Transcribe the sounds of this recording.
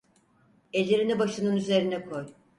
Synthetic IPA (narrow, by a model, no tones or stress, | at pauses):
ɛlʲːeɾinɛbaʃɯnɯnyze̞ɾinɛkʰo̞j